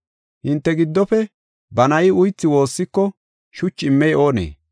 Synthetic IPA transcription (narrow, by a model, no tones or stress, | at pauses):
hɪnt̪ːɛɡɪd̪ːɔpɛ | bɐnɐjɪʊjt͡sːɪwo̞ːsːɪkːɔ | ʃʊt͡ʃːɪmːɛjʔo̞ːnḛː